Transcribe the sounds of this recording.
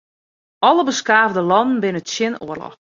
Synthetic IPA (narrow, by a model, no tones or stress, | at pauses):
ʔɔləbəskaːvdəlɔnən̩bɪnəətsjɪnoərlɔ̰x